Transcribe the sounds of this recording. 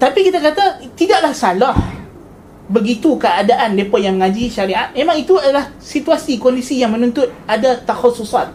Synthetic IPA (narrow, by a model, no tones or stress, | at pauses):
t̪apikit̪akat̪at̪idaʔlahsalah | bəɡit̪ukəadaʔanlepɔjaŋməŋãd͡ʒiʃaɾiat̪̚mẽmãŋit̪uadalah | sit̪uasikwalisijaŋmə̃nũnt̪ʊt̪̚adat̪axasusat̪̚